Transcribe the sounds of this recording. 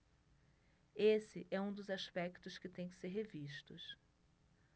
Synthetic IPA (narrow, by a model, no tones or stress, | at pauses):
esɪʔɛũd̪ʊzaʃpɛkt̪ʊskɪt̪ẽj̃kɪ̥seɾɦeviʃt̪ʊs